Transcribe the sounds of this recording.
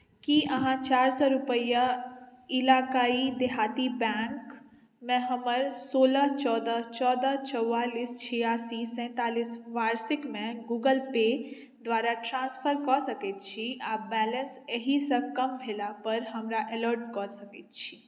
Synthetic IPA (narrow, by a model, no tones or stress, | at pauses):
kiəɦãt͡ʃaːɾsɔɾupəja | ilaːkaːid̪eɦaːt̪ibɛŋk | mẽɦəməɾsoːlət͡ʃɔd̪ət͡ʃɔːd̪ət͡ʃəwaːlist͡ʃʰijasisɛ̃ːt̪aːlisʋaːɾsikmẽɡuːɡəlpe | d̪ʋaːɾaʈɾãːnspʰəɾkɔsəkɛt̪̚t͡ʃʰiabɛːlənseɦisə̃kəmbʱelapəɾɦəmɾaʔeləɾʈkɔsəkɛt̪̚t͡ʃʰi